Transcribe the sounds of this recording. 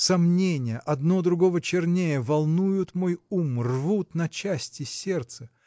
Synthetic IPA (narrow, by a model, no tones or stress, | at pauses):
sɐmnʲenʲɪjəʔɐd̪nod̪ɾʊɡo̞vət͡ɕɪrnʲejəvɐlˠnujʊt̪mo̞jumrvut̪nɐt͡ɕæsʲtʲɪsʲe̞rt̪sə